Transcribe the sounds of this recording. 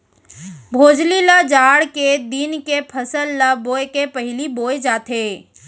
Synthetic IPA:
bʱoːd͡ʒlilad͡ʒaːɽked̪inkepʰɐsəlːaboːekepəɦɪliboːed͡ʒaːt̪eː

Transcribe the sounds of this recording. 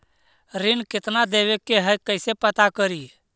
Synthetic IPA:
ɾɪnkɪt̪nad̪eːʋekeɦəkəɪsepət̪akəɾi

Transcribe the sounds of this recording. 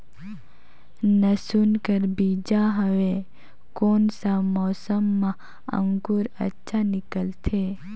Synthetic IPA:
nəsunkəɾbiːd͡ʒaɦɐʋe | koːnsamɔːsəmːã | ə̰̃ŋɡuɾə̰tːʃʰanɪkəlt̪ʰe

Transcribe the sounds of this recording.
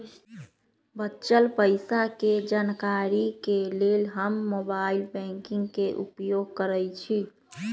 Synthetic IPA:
bətːt͡ʃəlpəjsaked͡ʒankaɾikelelɦəmːobailbɛ̃ŋkiŋɡkeʔṵpjoɡ̚kəɾəjt͡ʃʰi

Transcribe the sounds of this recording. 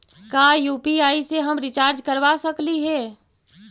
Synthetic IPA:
kajuːpiaːiseɦəmɾɪt͡ʃaːɾd͡ʒkəɾʋasəkliɦɛː

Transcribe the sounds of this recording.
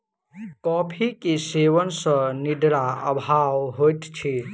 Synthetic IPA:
kɔpʰikeseʋənsə̃niɖ̪ɾaə̰bʱawɦojt̪t͡ʃʰi

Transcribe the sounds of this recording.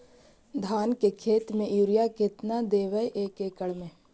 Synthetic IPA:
d̪ʱaːnkekʰeːt̪mẽjuːɾijaket̪nad̪eːʋəʔeːkeːkəɽmẽ

